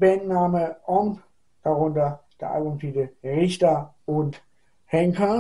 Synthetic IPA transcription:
bɛnnaːməʔɔm | d̥aʁʊntɐd̥ḛʔa̰ɡʊmfʰiːdəʁɪçtɐ | ʊnt | hɛŋkʰɐ

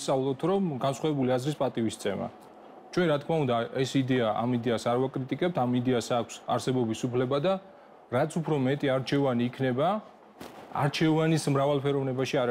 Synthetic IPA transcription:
sʼavlˠɔt̪ʰɾɔmɡansχwavɛbuliazɾispʼat̪ʼivist̪sʰɛma̰ | t͡ʃʰwɛnɾat̪kʰmaund̪aɛsid̪ɛaʔa̰mid̪ɛasaɾvakʼɾit̪ʼikʼɛp̚t̪ʰamid̪ɛasakʷʰsa̰ɾsɛbɔbisupʰlɛbad̪a | ɾat̪sʰupʰɾɔmɛt̪ʼiaɾt͡ʃʰɛvaniːkʰnɛba | a̰ɾt͡ʃʰɛvanismɾavalˠpʰɛɾɔvnɛbaʃiaɾ

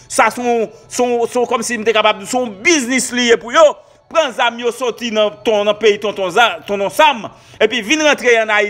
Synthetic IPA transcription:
sasɔ̃sɔ̃sɔ̃kɔmsim̩t̪ekapab̚dusɔ̃biznislijepujo | pʁɐ̃zamjosɔt̪inɐ̃t̪ɔ̃nɐ̃peit̪ɔ̃t̪ɔ̃zat̪ɔ̃nɔ̃sam | epivinʁɐ̃t̪ʁeɐ̃nai

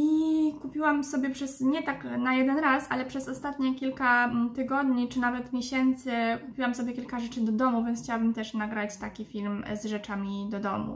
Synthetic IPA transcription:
ikupʲiwamsɔbʲjɛpʂɛsɲɛt̪aknajɛd̪ɛnɾasa̰lɛpʂɛzɔst̪at̪ɲɛkʲilkat̪ɘɡɔd̪ɲit͡ʂɘnavɛt̪mʲjɛɕɛnt̪sɘkupʲiwamsɔbʲjɛkʲilkaʐɛt͡ʂɘd̪ɔd̪ɔmuvʲjɛnsxʰt͡ɕawabɘmt̪ɛʂnaɡɾat͡ɕt̪akʲifʲilmzʐɛt͡ʂamʲid̪ɔd̪ɔmṵ

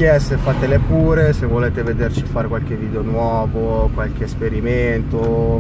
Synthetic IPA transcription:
kjɛsefːat̪elepuːɾesevːoleːt̪eved̪ert͡ʃifaːɾekwalk̟evːiːd̪eonwɔːvokwalk̟eːspeɾiment̪o

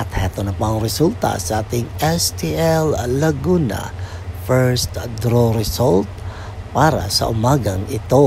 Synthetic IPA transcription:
ʔɐt̪hɛt̪onɐpɐŋɾɛsult̪ɐ̰sɐʔaːt̪ɪŋɛst̪iʔɛlːɐɡunɐ̰fɛɹst̪d̪ɾoɾɛsolt̪̚ | paɾɐ̰sɐ̰ʔʊmaːɡɐŋɪt̪o̞

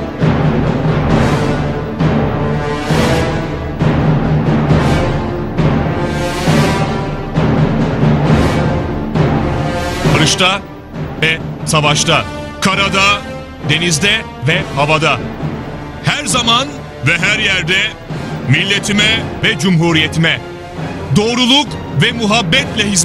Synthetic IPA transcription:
baɾɯʃt̪ʰa | vɛsavaʃt̪ʰa | kʰaɾad̪a | d̪e̞nizd̪ɛ | vɛhavad̪a | hæɾzaman | vɛɦæɾjæɾd̪ɛ | milʲːe̞t̪ʰimɛvɛd͡ʒumɦuɾijet̪ʰimɛ | d̪o̞ːɾulˠukvɛmuɦabːɛt̪lʲɛɦiz

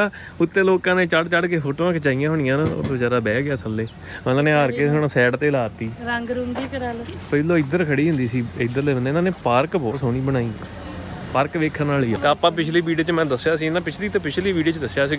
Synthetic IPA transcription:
aː | ʊt̪ːẽːloːkãːnẽːt͡ʃəɖt͡ʃəɖkeːfoːʈoːãːkɪt͡ʃaːijãːɦoːɳ̃ɪ̃jãːno̰ːət͡ʃaːɾaːbɛːɡɪjaːt̪ʰəlːeː | nãːneːaːɾkeːsoñːsɛːɖt̪eːlaːt̪ːiːɾəŋɡɾʊŋɡiːkəɾaːloːpəɪlːoːɪd̪əɾkʰəɽiːɦʊ̃nd̪iːsiːɪd̪əɾleːənd̪eːnãːneːpaːɾkbɔːɦoːɽ̃iːbəɽ̃aːiː | paːɾkʋeːkʰːəɾnaːliːaːt̪eːaːpãːp̬ɪt͡ʃʰliːbiːɖioːt͡ʃmɛ̃ːd̪əsːjaːsiːɪnãːpɪt͡ʃʰliːt̪õːpɪt͡ʃʰliːʋiːɖiːt͡ʃd̪əsːjaːsiː

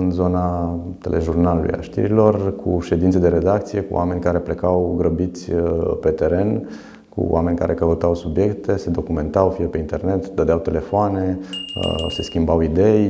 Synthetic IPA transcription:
ɨnzo̞nat̪e̞̰lʔeʒurnalulṵja̰ʃt̪ḭɾilo̞rkʰṵʃe̞d̪int̪sed̪e̞ɾe̞d̪ak̚t̪sije̞kṵwʔame̞nʲkaɾe̞ple̞kawɡɾəbit̪sʲpe̞t̪e̞ɾe̞n | kṵʔa̰me̞nʲka̰ɾʔe̞kəut̪awsubje̞kt̪e̞se̞d̪o̞kume̞nt̪awfiepe̞int̪e̞rne̞t̪d̪əd̪eawt̪e̞le̞foane̞̰ | se̞skʲimbawid̪e̞j

